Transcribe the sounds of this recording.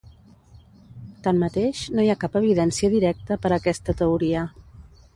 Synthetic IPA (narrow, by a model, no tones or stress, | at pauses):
t̪amːət̪eʃnojakapəβ̞iðɛnsiəðiɾɛk̚t̪əpəɾəkɛst̪ət̪əuɾiə